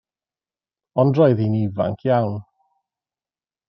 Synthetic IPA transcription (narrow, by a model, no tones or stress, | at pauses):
ɔndrɔjðiniva̰ŋkʰjawn